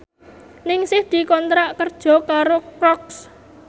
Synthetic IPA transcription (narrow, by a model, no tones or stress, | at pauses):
nɪŋsɪhd̪̥i̤kɔnt̪ɾaʔkərd̥ʒ̥ɔ̤kaɾokɾɔks